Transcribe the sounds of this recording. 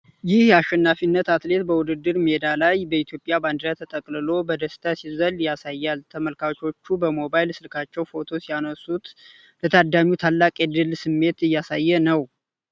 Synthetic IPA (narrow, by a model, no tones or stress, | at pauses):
jɪhjaʃːɛnːafinːət̪at̪le̞t̪bəwʊd̪ɨd̪ːɨɾmed̪alajbəit̪ʰjo̞pʼːjaband̪ɾat̪ʰət̪ʼəkʼlɨlo̞bəd̪əst̪ʰasizəljasajːalt̪ʰəməlkʰawt͡ʃʰo̞t͡ʃːubəmo̞bajlsɨlkʰat͡ʃːɛwfo̞t̪ʰo̞sijanəsut̪ | lət̪ʰad̪ːamiwt̪ʰalːakʼɛd̪ɨlsɨmːe̞t̪ɨjːasajːɛnəw